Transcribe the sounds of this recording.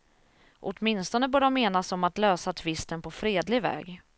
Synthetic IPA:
ʔɔt̪mɪnst̪ɔnəbœːɖɔmːeːnasɔmat̪løːsat̪ʰvɪst̪ənpʰɔfɾeːd̪lɪvɛ̰ːɡ

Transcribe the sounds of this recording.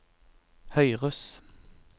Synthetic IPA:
hœʏʁʉs

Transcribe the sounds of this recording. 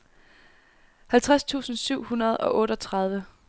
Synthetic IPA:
hælt͡sʰʁast͡sʰṵːsn̩syʊ̰hunɐð̞ˠɒ̽ʔɔ̽ːɾəɒt͡sʰʁɑ̈ð̞ˠʋə

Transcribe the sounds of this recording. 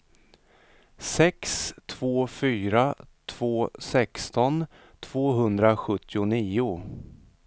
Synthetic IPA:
sɛkst̪ʰv̥oːfyːɾat̪ʰv̥oːsɛkst̪ɔn | t̪ʰv̥oːɦɵnd̪ɾaɧɵt̪ːɪʊniːʊ

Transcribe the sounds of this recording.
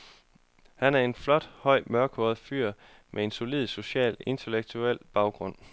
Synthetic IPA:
hænæɐe̝nflɒ̽d̥hɒ̽ɪ̰mɶɐɡ̥ʰɔɐð̩ˠfyɐ̰ | mʔee̝nso̝lið̰ˠso̝ɕɛ̰ːle̝nt͡sʰeleɡ̥̚t͡sʰuel̰b̥ɑ̈ʊɡ̥ʁɔ̽n̰

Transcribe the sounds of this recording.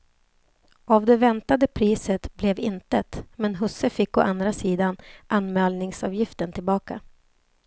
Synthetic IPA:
avd̪ɛvɛnt̪ad̪əpʰɾiːsət̪blɛvɪnt̪ət̪mɛnɦɵsːəfɪkːɔʔand̪ɾasiːd̪anʔanmɛːlnɪŋsɑːvjɪft̪ənt̪ʰɪlbɑːka

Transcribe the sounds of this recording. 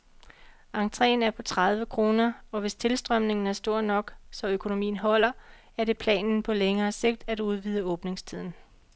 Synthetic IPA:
ɑ̈ŋt͡sʰʁɛ̰ːnæɐpʰɒ̽t͡sʰʁað̞ˠʋəkʰʁo̝ːnɐɒ̽ʋe̝st͡sʰe̝lsd̥ʁœm̰ne̝ŋn̩æɐsd̥o̝ɐ̰d̥nɒ̽ɡ̥sɒ̽økʰo̝no̝mḭːn̩ɦɒ̽l̰ɐ | æɐɾ̥e̝pʰlɛ̰ːnn̩pʰɒ̽leŋɐːse̝ɡ̥̚d̥æd̥uð̞ˠʋiːð̞ˠəɔ̽ːb̥ne̝ŋst͡sʰið̞̰ˠn̩

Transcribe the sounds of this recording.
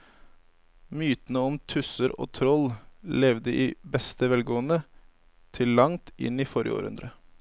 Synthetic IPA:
myːt̪ən̩əɔmt̪ʰʉsəɾo̰ːt̪ʰɾɔllɛʋd̪əʔiːbɛst̪əʋɛlɡoːənə | t̪ʰɪlːɑŋt̪ɪ̰niːfɔɾɪə̰o̰ːɾʉ̰nd̪ɾə

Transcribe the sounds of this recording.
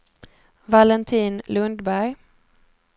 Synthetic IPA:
valɛnt̪ʰiːnlɵnd̪bæɾj

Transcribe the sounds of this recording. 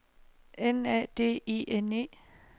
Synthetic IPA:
enɛ̰ːd̥e̝̰ːiʔene̝̰ː

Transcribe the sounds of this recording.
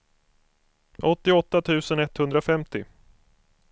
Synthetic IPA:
ʔɔt̪ːɪɔt̪ːat̪ʰʉ̟ːsənɛt̪hɵnd̪ɾafɛmt̪ɪ

